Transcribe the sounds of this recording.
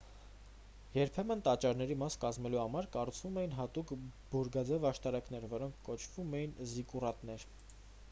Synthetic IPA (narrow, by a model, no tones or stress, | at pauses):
jɛɾpʰɛmənt̪ɑt͡ʃɑɾnɛɾimɑskɑzmɛluhɑmɑɾkɑrut͡sʰvumɛjin̪ɦɑt̪ukb̥uɾɡɑd͡zɛvɑʃt̪ɑɾɑknɛɾvɔɾɔŋkʰːɔt͡ʃʰv̥umɛjinzikurɑt̪nɛɾ